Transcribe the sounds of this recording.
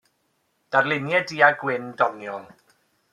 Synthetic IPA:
d̥arlˠɪnjɛdiaɡwɪndɔnjɔlˠ

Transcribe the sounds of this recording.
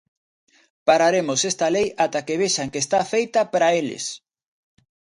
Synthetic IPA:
paɾaɾemosest̪ɐlejat̪akeβeʃaŋkeːst̪afejt̪ɐpaɾaelɪ̰s

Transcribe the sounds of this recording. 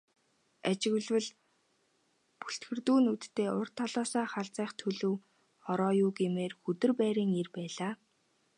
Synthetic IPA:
at͡ɕɪ̆ɣɮwɘ̆ɮ | puɬt̪ɡɘ̆rt̪uːnut̪ːeːʊrt̪ʰɔɮɔːsaːχaɮt͡sæːχt̪ʰɵɮɵ̆w | χɔɾɔːjʊːɡemeːrxɵt̪ɵ̆rpæːɾiːŋerpæːɮaː

